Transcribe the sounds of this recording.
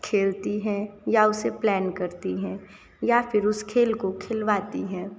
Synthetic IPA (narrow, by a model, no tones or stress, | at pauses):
kʰeːlt̪iɦɛ̃jaʊseplɛːnkɐɾt̪iɦɛ̃ː | jafɪɾʊskʰeːlkokʰɪlʋaːt̪iɦɛ̃ː